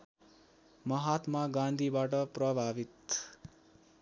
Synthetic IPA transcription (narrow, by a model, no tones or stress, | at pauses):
mʌɦat̪maɡãnd̪ʱibaʈʌprʌbʱabit̪